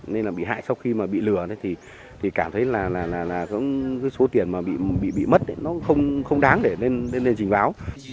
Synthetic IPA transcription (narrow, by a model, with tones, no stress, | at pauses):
ne˧nlaː˨˩ɓḭ˧˨ɦa̰ː˧˨jsa˧wxi˧maː˨˩ɓḭ˧˨lɨ˧˩ənə˨˦jt̪ʰi˨˩ | t̪ʰi˨˩kaː˧˩mt̪ʰə˨˦jlaː˨˩laː˨˩laː˨˩laː˨˩kɔ̰˧˥kɨː˨˦jso˨˦t̪i˨˩ənmaː˨˩ɓḭ˧˨ɓḭ˧˨ɓḭ˧˨mə˦˥t̚ʔə˨˦nɔ˨˦xə˧wŋ͡mxə˧wŋ͡mɗaː˨˦ŋɗe˧˩ne˧nːe˧nːle˧nt͡ɕï˨˩ŋ̟ɓaː˨˦w